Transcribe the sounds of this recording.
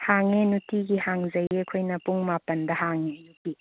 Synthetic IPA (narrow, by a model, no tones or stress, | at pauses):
haŋenutiɡihaŋzɐjekʰojnɐpuŋmapɐndɐɦaŋejuti